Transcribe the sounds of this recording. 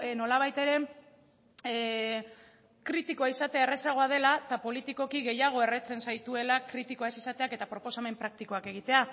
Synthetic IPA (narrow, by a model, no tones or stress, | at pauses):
no̞laβ̞ajt̪e̞ɾe̞ | kɾit̪ikoaisat̪e̞aere̞saɣ̞o̞að̞e̞lat̪apo̞lit̪iko̞kiɣe̞jaɣ̞o̞e̞re̞t͡se̞nsajt̪ue̞lakɾit̪iko̞aesisat̪e̞ake̞t̪apɾo̞po̞same̞mpɾak̚t̪iko̞ake̞ɣ̞it̪e̞a